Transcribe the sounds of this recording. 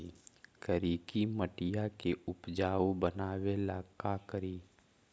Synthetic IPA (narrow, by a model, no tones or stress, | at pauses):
kəɾiːkiməʈɪjakeʊpd͡ʒaːobənaːwelaːkakəɾiː